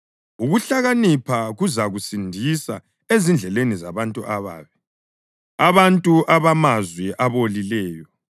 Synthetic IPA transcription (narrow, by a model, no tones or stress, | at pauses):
uɣuɬaɣanipʰaɣuzaɣusindʱisa | ezind͡ɮʱɛleniza̰βantʼuʔaβa̰ːβɛ | aβantʼuʔaβamazwɛʔaβolilɛːjɔ